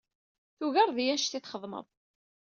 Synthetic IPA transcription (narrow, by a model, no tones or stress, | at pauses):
θuɣɑɾˤðjænʃt̪iθχəðˤmə̰ðˤ